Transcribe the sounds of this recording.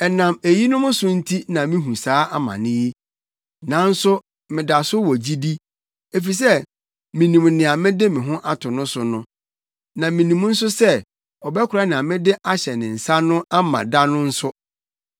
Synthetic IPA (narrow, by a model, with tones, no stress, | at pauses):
ɛ˨nã˨me˨ji˦nʊ̃˦mʊ̃˦sʊ˦n̩˦tʰi˦nã˨mĩ˦ɦũ˨saː˨˦ʔa˦mã̰˨nɪ̃˦je˦ | nã˨˦n̩˦sʊ˦ | mɪ̃˨da˨sʊ˦wɔ˨d͡ʑi˦di˦ | e˨fi˨s̬ɛ˦ | mĩ˨nĩ˨mnɪ̃˨a˨mɪ̃˦dɪ˦mɪ̃˨ɦʊ̃˦ʔa˦tʰʊ̃˨nʊ̃˦sʊ˦nʊ̃˦ | nã˨mĩ˨nĩ˨m˦n̩˦sʊ˦sɛ˦ | ɔ˨bɛ˦kʰʷʊ˨ɾa˦nɪ̃˨a˨mɪ̃˦dɪ˦ʔa˦ɕɛ˨nɪ̃˨n̩˨sa˦nʊ̃˦a˦mã̰˨da˦nʊ̃˦n̩˦sʊ˦